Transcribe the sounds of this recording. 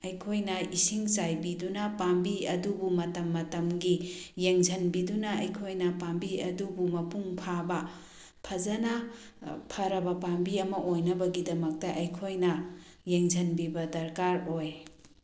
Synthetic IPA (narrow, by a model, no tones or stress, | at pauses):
ɐjkʰojnɐisiŋsajbidunɐpambiɐdubumɐtɐmːɐtɐmɡijeŋzʱɐnbidunɐɐjkʰojnɐpambiɐdubumɐpuŋpʰabɐ | pʰɐzɐnɐ | pʰɐɾɐbɐpambiɐmɐʔojnɐbɐɡidɐmɐk̚tɐʔɐjkʰojnɐ | jeŋzʱɐnbibɐdɐɾkaɾoj